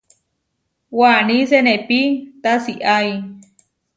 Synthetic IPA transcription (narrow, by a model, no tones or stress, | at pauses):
wanĩsenẽpit̪asiʔaj